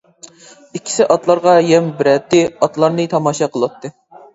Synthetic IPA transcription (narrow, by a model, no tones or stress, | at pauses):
ikʲʰːi̥sɪʔɑt̪lˠɑɾʁɑjɛmbɪɾɛt̪ːɪɑt̪lˠɑɾnɨt̪ʰɑmɑːʃɑqʰəlˠwɑt̪ʰːɨ